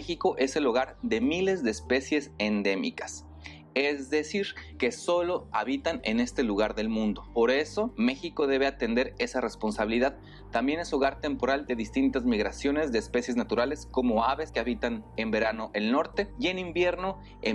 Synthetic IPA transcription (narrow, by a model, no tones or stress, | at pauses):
xiko̞ʔe̞se̞loɣaɾðe̞mile̞zðe̞ːspe̞sje̞send̪e̞mḭkḁs | e̞zðe̞siɾke̞so̞lo̞aβit̪ane̞̰ne̞st̪e̞luɣ̞aɾðe̞lmũnd̪o̞po̞ɾe̞so̞me̞xiko̞ðe̞β̞e̞at̪e̞nd̪e̞ɾe̞sare̞spo̞nsaβiliðað | t̪ambje̞ne̞so̞ɣaɾt̪e̞mpo̞ɾald̪e̞ðist̪int̪azmiɣɾasjo̞ne̞zðe̞ːspe̞sje̞znat̪uɾale̞sko̞mo̞aβe̞ske̞aβit̪ane̞mbe̞ɾano̞ʔelno̞ɾt̪e̞je̞nimbje̞ɾno̞ | e